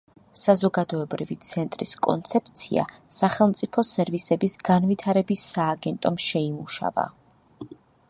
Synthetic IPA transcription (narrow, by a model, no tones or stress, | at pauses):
sazɔɡad̪ɔɛbɾivit̪sʰɛnt̪ʼɾiskʼɔ̰nt̪sʰɛp̚ʰt̪sʰḭa̰saχɛlˠmt̪sʼipʰɔsɛɾvisɛbisɡanvit̪ʰaɾɛbisːaːɡɛnt̪ʼɔmʃɛimuʃa̰va̰